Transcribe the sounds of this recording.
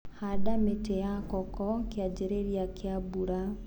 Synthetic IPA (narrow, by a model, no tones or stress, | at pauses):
hadametejakɔkɔŋkead͡ʒeɾeɾiakʰeabuɾa